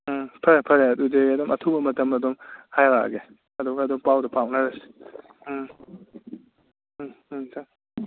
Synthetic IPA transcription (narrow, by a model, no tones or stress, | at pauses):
pʰɐɾpʰɐɾeɐdudeɐdɔmʔɐtʰubɐmɐtɐmɐdɔŋhajɾa̰ɡe | ɐduɡɐːdɔŋpawdɐpʰawʔnɐɾɐsi̥ | saŋ